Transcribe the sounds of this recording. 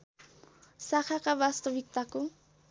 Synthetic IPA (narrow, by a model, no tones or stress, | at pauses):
sɑχɑqɑbast̪owɪk̚t̪akʊ